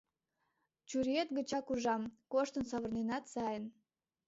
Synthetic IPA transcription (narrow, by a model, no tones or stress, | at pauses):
t͡ɕuɾet̪̚ɡət͡ɕɑkuʒɑmkoʃt̪ənsɑβərnenɑt̪sɑjən